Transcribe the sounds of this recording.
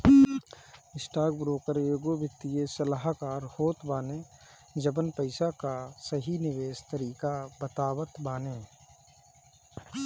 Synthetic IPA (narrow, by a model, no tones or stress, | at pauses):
ɪsʈaːɡbɾoːkəɾjoːɡobjət̪ːijesəlaɦkaːɾhoːt̪baːnẽ | d͡ʒəbənpəɪsakasəɦinɪʋeːst̪əɾiːkabət̪aːʋət̪baːneː